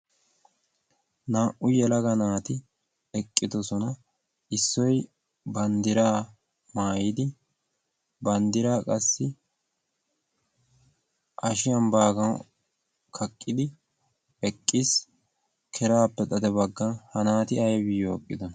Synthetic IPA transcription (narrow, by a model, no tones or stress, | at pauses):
naːʔʊjɛlɐɡɐnaːt̪ɪ | ɛkʼːɪd̪ɔsɔnɐ | ɪsːɔj | bɐnd̪ɪɾaː | maːjɪd̪ɪ | bɐnd̪ɪɾaːkʼɐsːɪ | ʔɐʃɪjɐmbaːɡɐn | kʰɐkʼːɪd̪ɪ | ɛkʼːɪs | kʰɛɾaːpːɛt̪ʼɐd̪ɛbɐɡːɐnhɐnaːt̪ɪɐjbɪjoːkʼːɪd̪ɔnɐ